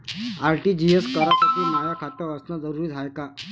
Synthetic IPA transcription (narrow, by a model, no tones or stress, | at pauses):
aɾʈiːd͡ʑieskəɾasaʈiːmajakʰat̪əəsnad͡zəɾuɾiːd͡zʱajka